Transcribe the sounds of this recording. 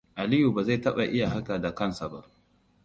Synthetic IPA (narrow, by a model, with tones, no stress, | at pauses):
ʔa˨lɪ˦ju˨baː˨za˦˨tɐ˦ɓa˨ʔɪ˦ja˨ɦa˦ka˨da˨kɐ˦nsa˨ba̰˦ʔ